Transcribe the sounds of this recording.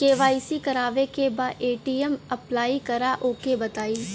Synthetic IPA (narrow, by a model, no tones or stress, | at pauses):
keːʋaːisikɐɾaːʋekebaːd̪eːʈiːɛmɐplaːikɐɾaʔoːkebɐt̪aːiː